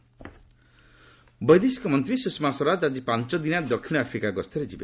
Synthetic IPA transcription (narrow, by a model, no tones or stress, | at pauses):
bʌjd̪iskɔmʌnt̪ɾisusmasɔɾad͡zad͡ʒipant͡sʌd̪inad̪ɔkʰːiɽ̃apʰɾikaɡʌst̪eɾed͡ʒibe